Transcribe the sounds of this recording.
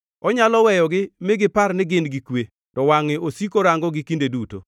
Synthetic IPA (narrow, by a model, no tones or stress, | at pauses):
ɔɲalɔwɛjɔɡɪmeɡɪpaɾnɪɡɪndɡikwe | tɔwaŋɪʔosikoɾaŋɡɔɡɪkindeduto̰